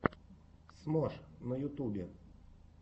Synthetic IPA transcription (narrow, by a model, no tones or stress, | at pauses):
smɔʂnɐjʊt̪ubʲɪ